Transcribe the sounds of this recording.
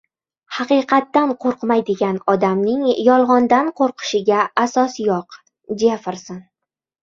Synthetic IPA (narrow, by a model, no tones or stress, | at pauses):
hɑqɨqʰɑt̪ːanqʰoɾqmajd̪ɪɡʲanɒd̪amnɪŋjɒlˠʁɒnd̪anqʰoɾqʰɨ̥ʃɪɡʲaasɒsjɒq | d͡ʒefɪɾsɪn